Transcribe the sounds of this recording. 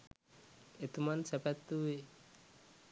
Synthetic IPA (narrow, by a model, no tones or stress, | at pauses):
et̪umansɛpɛt̪ːui